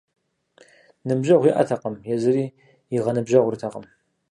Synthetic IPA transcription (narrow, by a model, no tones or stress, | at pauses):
nɨbʒɐʁʷiʔɐ̰tʰɐqəmjɛzɨriː | jɪʁɐnɨbʒɐʁʷʊɾtʰɐqəm